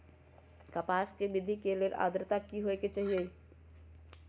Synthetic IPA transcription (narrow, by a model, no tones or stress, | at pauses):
kɐpaːskeʋɪd̪ʱikelieʔa̰ːd̪ɾt̪akiɦoeket͡ʃaɦie